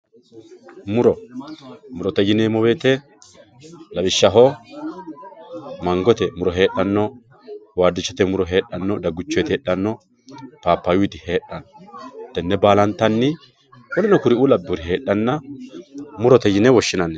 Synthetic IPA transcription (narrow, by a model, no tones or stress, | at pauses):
mʊɾɔ | mʊɾɔt̪ɛjɪneːmɔweːt̪ɛ | lɐbɪʃːɐɦɔ | mɐŋɡɔt̪ɛmʊɾɔɦe̞ːɗɐnːɔ | waːd̪ːɪt͡ʃːɔt̪ɛmʊɾɔɦe̞ːɗːɐnːɔd̪ɐɡʊt͡ʃːɔjt̪eːɗːɐnːɔ | paːpːɐjʊjt̪ɪhe̞ːɗːɐnːɔt̪ːɛnːɛbaːlɐnt̪ːɐnːɪ | wɔlɪnɔkʊɾɪulɐbːʊɾɪɦe̞ːɗːɐnːɐ | mʊɾɔt̪ɛjɪnɛwɔʃːɪnɐnːɛ